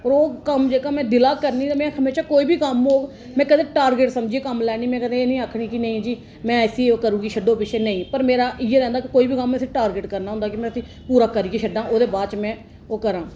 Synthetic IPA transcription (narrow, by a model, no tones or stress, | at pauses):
ɔːɾoːkəmd͡ʒeːkaːmɛ̃ːd̪ɪlaːkəɾniːd̪amɛ̃ːhəmeːʃaːkoːiːbʱiːkəmoː | mɛ̃ːkəd̪ẽːʈaːɾɡeʈsəmd͡ʒieːkəmlɛːɽiːmɛ̃ːkəd̪ẽeːnĩːaːkʰɽiːkinəĩːd͡ʒiː | mɛ̃ːsiːokəɾũːɡiːʃʰəɖoːpɪt͡ʃʰeːnəĩːpəɾmeːɾaːʔɪeːɾɛ̃ːnd̪aːkikoːiːbʱiːkəmːɛ̃sĩʈaːɾɡeʈkəɾnaɦʊ̃nd̪aːkɪmɛ̃ːsĩː | puːɾaːkəɾiːɡiʃʰəɖãːʔoːd̪eːbaːt͡ʃmɛ̃ː | oːkəɾãː